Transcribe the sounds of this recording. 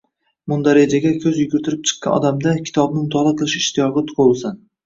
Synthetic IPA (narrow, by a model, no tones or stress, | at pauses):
mʊnd̪aɾad͡ʒaɡʲakʲʰɵzjʊɡʲʊɾt̪ʰɪɾɪp̚t͡ʃʰɨ̥qːɑ̰nɒ̰d̪amd̪akʲʰɪ̥t̪ʰɒbnɪmʊt̪ʰɒlˠaqʰɨlˠɪʃɪʃt̪ʰɪjɒʁɨt̪ʰʊ̥qolˠsan